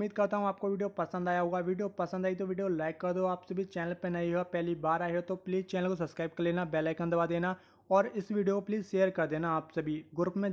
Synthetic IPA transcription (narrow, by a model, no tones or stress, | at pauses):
ʊmiːd̪̚kɐɾt̪aɦũaːp̚koʋiːɖijopɐsə̃nd̪aːjaɦoːɡaʋiːɖijopɐsə̃nd̪aːit̪̬oʋiːɖijolaːɪkːɐɾd̪oaːpsebʱit͡ʃɛːnəlpenɐiɦoɡapɛɦlibaːɾaːɦeot̪opliːzt͡ʃɛːnəlkosɐbskɾaːɪb̚kɐɾleːnabɛːlakə̃nd̪əʋad̪eːna | ɔːɾɪsʋiːɖijokopliːzʃeːəɾkɐɾd̪eːnaːpsebʱiɡʊɾpmẽ